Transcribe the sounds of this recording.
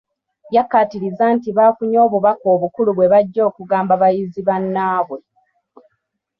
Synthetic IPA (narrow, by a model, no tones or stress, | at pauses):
jakːatiɾizaːntiβaːfuɲo̞ːβuβako̞ːβukuluβwe̞βaɟːo̞ːkuɡaːmbaβajiziβanːaːβwe̞